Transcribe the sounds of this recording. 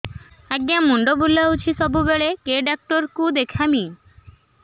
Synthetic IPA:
aɡjamuɳɖobulːaut͡ʃʰisɔbubeɭekeɖak̚ʈɔɾkud̪ekʰami

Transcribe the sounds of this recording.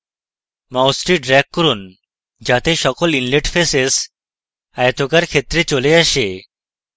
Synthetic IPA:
mawsʈɾiːɖɾɛkkːəɾuːn | d͡ʑat̪eɕɔkɔlinleʈfeses | ajt̪ʰokaɾkʰet̪ɾet͡ɕoleaɕe

